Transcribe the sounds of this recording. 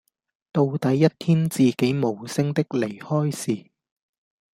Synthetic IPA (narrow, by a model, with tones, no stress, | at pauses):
t̪o˧wt̪ɐ˨˥jːɐ˥t̚t̪ʰiː˥nt͡siː˨ke˨˥jmo˨˩wsɪ˥ŋt̪ɪ˥k̚le˨˩jhɔː˥jsiː˨˩